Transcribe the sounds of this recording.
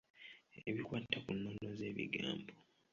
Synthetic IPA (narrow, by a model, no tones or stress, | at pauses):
eβikwaːtʰakunːonːoze̞ːβḭɡa̰ːmbo